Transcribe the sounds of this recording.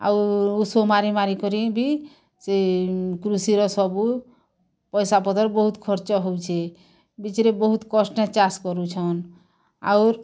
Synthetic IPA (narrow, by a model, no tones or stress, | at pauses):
a̰uusomaɾimaɾikɔɾibʱi | sekɾusiɾɔsɔbu | pɔjsapɔd̪ɔɾbɔɦut̪kʰɔɾt͡ʃɔɦowt͡ʃʰe | bit͡ʃɾebɔɦut̪kɔsnet͡ʃaskɔɾut͡ʃʰɔn | a̰uɾ